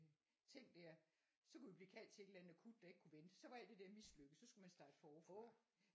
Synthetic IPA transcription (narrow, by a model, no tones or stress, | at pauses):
t͡sʰe̝ŋ̰̥d̥æɐ̰ | sɒ̽kʰuʋib̥liːkʰæl̰d̥t͡sʰe̝e̝d̥əlænð̩ˠækʰud̥ːɑ̈e̝ɡ̥̚kʰuʋensɒ̽ʋɑ̈æl̰d̥e̝d̥eɐ̰misløɡ̥əsɒ̽sɡ̥umænsd̥ɑ̈ːd̥fɒːfɔ